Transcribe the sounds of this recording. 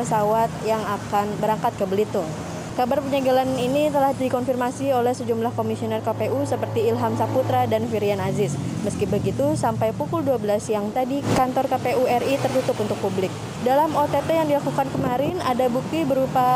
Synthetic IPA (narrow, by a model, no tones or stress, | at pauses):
əsawat̪̚jaŋakanbəɾaŋkat̪̚kəbəlit̪ʊn | kabarpəɲaɡalaninit̪əlahdikɔnfirmasiolɛhsəd͡ʒumlahkomisionɛrkapeʔusəpərt̪iːlɦamsaput̪ɾadanfiɾianazɪsməskibəɡit̪usampajpukʊlduabəlasjaŋt̪adikant̪ɔrkapeuɛrit̪ərt̪ut̪ʊpunt̪ʊk̚publɪk̚ | dalamot̪et̪ɛjaŋdilakukankəmaɾɪnadabuk̚t̪ibəɾupa